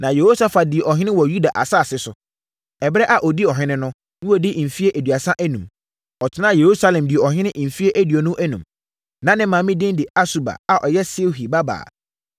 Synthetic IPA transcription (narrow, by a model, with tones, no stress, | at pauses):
nã˨je˨ho˦sa˦fa˨dɪ˨e˨ʔɔ˨ɦɪ̃˦nɪ̃˦wɔ˨ju˦da˨ʔa̰˨sa˦˨sɪ˦sʊ˨ | ɛ˨bɾɛ˦ʔa˨ʔɔ˨di˦ɔ˨ɦɪ̃˦nɪ̃˦nʊ̃˦ | nʊ̃˦wo˦˨dɪ˦˨fi˦e˦ʔæ˨dɥa˨sã˦ʔæ˦nũ˨m | ɔ˨tʰɪ˦nã˦˨je˨ɾu˦sa˦lɛ̃˨mdɪ˨e˨ɔ˨ɦɪ̃˦nɪ̃˦ʔɪ˨m̩˨fi˦e˦ʔæ˦di˨ɔ˨nʊ̃˦ʔæ˦nṵ̃˨m | nã˨nɪ̃˦mãː˨mɪ̃˦dɪ̃˦ndɪ˨a˦su˦ba̰˨a˨ʔɔ˨jɛ˦sɪ˦ɦi˨ba˦ba̰ː˨